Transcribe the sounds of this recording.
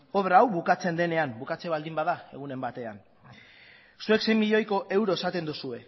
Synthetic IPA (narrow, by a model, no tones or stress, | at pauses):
o̞βɾaːwβukat͡se̞nd̪e̞ne̞ambukat͡se̞βald̪imbaðae̞̰ɣ̞une̞mbat̪e̞a̰n | sue̞kse̞jmiʎo̞jko̞ʔe̞wɾo̞esat̪e̞nd̪usue̞